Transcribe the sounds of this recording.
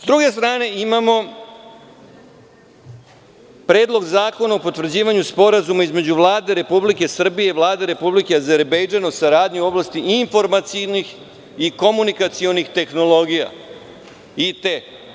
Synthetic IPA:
zd̪ɾuɡe̞st̪ɾaːne̞imamo̞ | pɾe̞ːd̪lˠo̞ɡzaːko̞naopo̞t̪vr̩d͡ʑiːʋaɲuspo̞ɾazumaizme̞d͡ʑuʋlˠaːd̪e̞ɾe̞publike̞sr̩bije̞iʋlˠaːd̪e̞ɾe̞publike̞aze̞ɾbejd͡ʒanousaɾaːd̪ɲiuo̞blast̪iʔiɱfo̞ɾmat̪sinix | iko̞munikat̪sio̞nixt̪e̞xno̞lo̞ɡija̰ | it̪e

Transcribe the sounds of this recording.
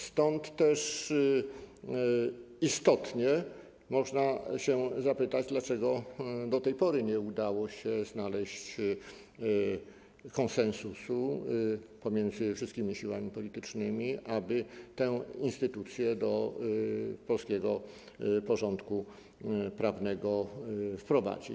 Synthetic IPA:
st̪ɔnt̪ːɛʂ | ist̪ɔt̪ɲɛ | mɔʐnaɕɛzapɘt̪ad͡ʑd̪lat͡ʂɛɡɔd̪ɔt̪ɛjpɔɾɘɲɛud̪awɔɕɛznalɛɕt͡ɕ | kɔnsɛ̃nsusu | pɔmʲjɛnd̪zɘfʂɨst̪̚kʲimʲiɕiwamʲipɔlʲit̪ɘt͡ʂnɘmʲiʔabɘt̪ɛinst̪ɘt̪ut̪sʲjɛd̪ɔ | pɔlskʲɛɡɔ | pɔʐɔnt̪ku | pɾavnɛɡɔfpɾɔva̰d͡ʑḭ

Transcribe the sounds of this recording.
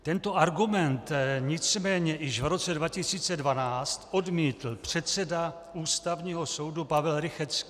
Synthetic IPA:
t̪ɛnt̪o̞ʔaɾɡumɛnt̪ɲɪt͡smɛːɲɛjɪʃvɾo̞t͡sɛdvacɪsiːt͡sɛdvanaːt͡st̪ʔo̞dmiːt̪l̩pr̝̥ɛt̪t͡sɛda | uːst̪avɲiːɦo̞so̞wdupavɛlɾɪxɛt͡ski̥

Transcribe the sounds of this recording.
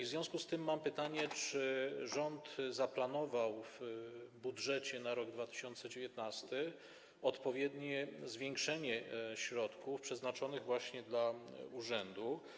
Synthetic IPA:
ivzvʲjɔ̃w̃skust̪ɘmːampɘt̪aɲɛt͡ʂɘʐɔnt̪zaplanɔvawvbudʐɛt͡ɕɛnaɾɔɡd̪vat̪ɘ̥ɕɔnt̪sɛd͡ʑevjɛt̪nast̪ɘ | ɔt̪pɔvʲjɛd̪ɲɛzvʲjɛŋkʂɛɲɛɕɾɔt̪kufpʂɛznat͡ʂɔnɘɣvwaɕɲɛd̪lauʐɛnd̪u

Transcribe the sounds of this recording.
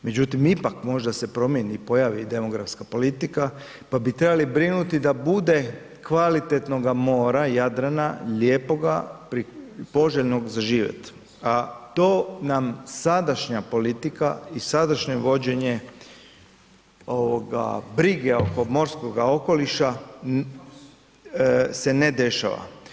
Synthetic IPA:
me̞d͡ʑut̪imipakmo̞ʒd̪ase̞pɾo̞mje̞niːpo̞jaʋid̪e̞mo̞ɡɾafskapo̞lit̪ika | pabit̪ɾebalibɾinut̪id̪abud̪e̞ | kʋalit̪et̪no̞ɡamo̞ːɾajad̪ɾanaʎe̞ːpo̞ɡapɾipo̞ʒeʎno̞ɡzaʒiːʋjḛt̪ | at̪o̞ːnamsad̪aʃɲapo̞lit̪ikaisad̪aʃɲeʋo̞d͡ʑe̞ɲe | o̞ʋoɡa̰bɾiɡeo̞ko̞mo̞ɾsko̞ɡao̞ko̞liʃa | se̞ned̪e̞ʃa̰ʋa̰

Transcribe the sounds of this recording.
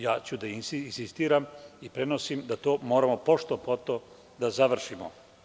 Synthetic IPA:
jaːt͡ɕud̪ainsnsist̪iːɾamipɾe̞nosimd̪at̪oːmoːɾamopo̞ʃt̪opo̞t̪o | d̪azaʋr̩ʃimo̰

